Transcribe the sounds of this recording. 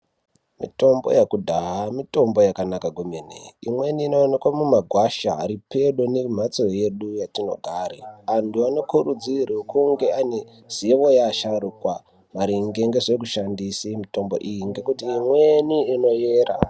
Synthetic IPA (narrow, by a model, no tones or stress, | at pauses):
mḭto̞mbo̰jakudʱaɦamito̞mbo̞jakanakaɡʱomenḛimwe̞niːno̞ːnekwamumaɡʱwaʃa̰ːɾipe̞ɗo̞nem̤at͡soje̞ɗujatino̞̰ɡʱaːɾeantʰuano̞kurud͡zirekuŋɡe̞ane | z̥ieʋojaʃarukwa | maɾiŋɡe̞ŋɡe̞ʐek̬uʃandisimito̞mbo̞̰ʔijiŋɡe̞kutiːmweniːno̞jeːra̰